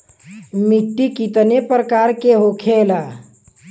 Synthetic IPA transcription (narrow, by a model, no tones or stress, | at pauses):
miʈːikit̪ənepɾəkaɾkeɦokʰela